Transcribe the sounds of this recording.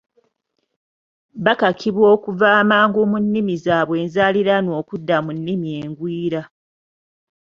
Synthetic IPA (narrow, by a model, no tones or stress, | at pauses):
βakakʰiβwo̞ːkuvaːmaːŋɡumunːimizaːβwe̞ːnzaːliɾano̞ːkudːamunːimie̞ːŋɡwiːɾa